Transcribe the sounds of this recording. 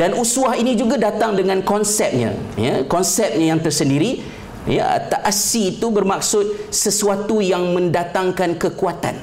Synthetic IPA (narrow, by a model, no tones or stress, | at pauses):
danusuahinĩd͡ʒuɡadat̪aŋdəŋãnkɔnsɛp̚ɲã̰jakɔnsɛp̚ɲãjaŋt̪ərsəndiɾi | ja̰a̰t̪aʔasiːt̪ubərmak̚sʊt̪̚səsuat̪ujaŋmə̃ndat̪aŋkankəkuat̪a̰n